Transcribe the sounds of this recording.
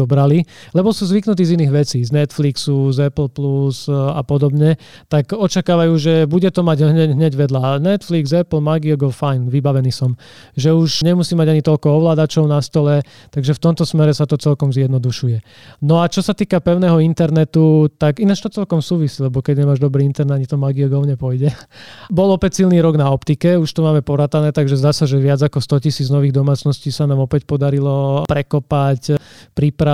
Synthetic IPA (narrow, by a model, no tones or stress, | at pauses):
ɔbɾalilɛbɔsuːzʋiknut̪̬iːziniːɣʋɛt͡siːznɛt̪fliksuzɛpl̩pluza̰pɔd̪ɔbɲɛ | t̪aɡɔt͡ʃakaːʋajuːʒɛbuɟɛt̪ɔmaɟɦɲɛɟɦɲɛɟʋɛd̪lanɛt̪fliɡzɛpl̩maɡiɔɡɔlfajnʋibaʋɛniːsɔm | ʒɛuʃɲɛmusiːmaɟaɲit̪ɔʎkɔɔʋlaːd̪at͡ʃɔʊnast̪ɔlɛ | t̪aɡʒɛft̪ɔmt̪ɔsmɛɾɛsat̪ɔt͡sɛlkɔmzjɛd̪nɔd̪uʃujɛ | nɔat͡ʃɔsat̪iːkapɛʊnɛːɦɔint̪ɛɾnɛt̪ut̪aɡinat͡ʃt̪ɔt͡sɛlkɔmsuːʋisilɛbɔkɛɟɲɛmaːʒd̪ɔbɾiːint̪ɛɾnd̪aɲit̪ɔmaɡiɔɡɔʊɲɛpɔjɟɛbɔlɔpɛcsilniːɾɔɡnaɔpt̪ikɛuʃt̪ɔmaːmɛpɔɾat̪anɛːt̪aɡʒɛzd̪aːsaʒɛʋɪad͡zakɔst̪ɔcisiːd͡znɔʋiːɣd̪ɔmaːt͡snɔsciːsanaːmɔpɛcpɔd̪aɾilɔpɾɛkɔpacpɾipɾa